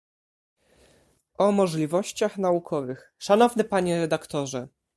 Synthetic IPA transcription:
ʔɔmɔʐlʲivɔɕt͡ɕaxnaukʰɔvɘx | ʂanɔvnɘpaɲɛɾɛd̪akt̪ɔʐɛ

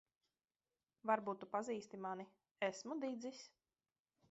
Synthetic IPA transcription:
vaɾbuːt̪ːupaziːst̪imani | ɛsmud̪id̪zisʲ

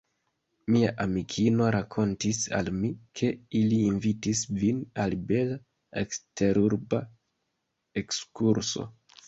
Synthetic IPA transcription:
miaʔamikʰino̞ɾakʰo̞ntisa̰lmikʰe̞iliːnvitisvinalbe̞la | ekste̞ɾuɾba | e̞kskuɾso̞̰

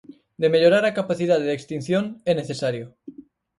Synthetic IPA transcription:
d̪eme̞ʎoɾaɾakapaθið̞aððekst̪in̟θjoneneθesaɾjo

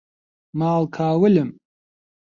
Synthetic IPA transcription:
maːlkʰaːwɨlɨm

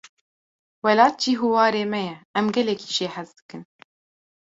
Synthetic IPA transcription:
wɛlɑːt̪̚d͡ʒiːɦuwɑːɾeːmɛjɛɛmɡɛlɛkʰiːʒeːħɛzd̪ɨ̥kɨn

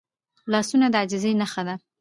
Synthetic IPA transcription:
lɑsunad̪əad͡ʒɪzejnaxad̪a

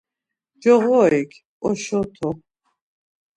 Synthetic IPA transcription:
d͡ʒɔʁɔikʰ | ɔʃɔt̪ʰɔ

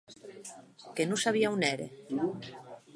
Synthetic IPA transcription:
kenũsaβ̞iauneɾḛ

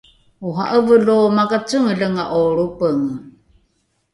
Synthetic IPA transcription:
uɦa̰ʔəvəlomaɡat͡səŋəɮəŋaʔoɾupəŋ

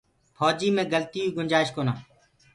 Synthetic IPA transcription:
pʰɔːd͡ʒiːmẽːɡəlt̪iːuːɡʊnʲd͡ʒaːɪʃkoːnaː

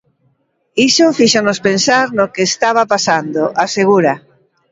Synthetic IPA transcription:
isofiʃonospensaɾnokeːst̪aβ̞apasand̪oʔaseɣuɾa

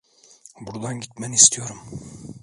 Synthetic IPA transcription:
buɾd̪ɑŋkit̪̚mænist̪ijoɾɤm

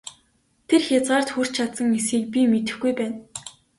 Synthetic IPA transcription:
t̪ʰerxʲat͡sɢaːr̥t̪xur̥t͡ɕt͡ɕʰat̪sə̆ŋesxiːk̚pʲimet̪ɘ̆xɡujpæːn

